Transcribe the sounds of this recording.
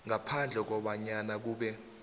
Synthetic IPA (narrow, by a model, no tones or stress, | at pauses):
ŋapʰand͡ɮʱɛk̬ɔɓaɲanak̬uːɓɛ